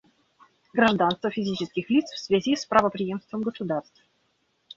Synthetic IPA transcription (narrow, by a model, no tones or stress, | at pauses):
ɡɾaʐd̪anst̪vəfʲɪzʲit͡ɕɪskʲɪxlʲit̪sfsvʲazʲispɾəvəpɾʲɪjemst̪vəmɡəsʊd̪arst̪f